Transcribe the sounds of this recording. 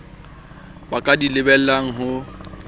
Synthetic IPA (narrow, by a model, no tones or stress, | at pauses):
bakʼadilɪbɛl̩aŋ̩ɦʊ